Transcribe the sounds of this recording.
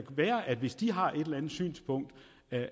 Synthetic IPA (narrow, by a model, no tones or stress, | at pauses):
ʋæːɐʔæd̥ʋe̝sd̥iɦɑ̈ʔe̝d̥elænð̩ˠsy̰ːnspʰɔ̽ŋ̰d̥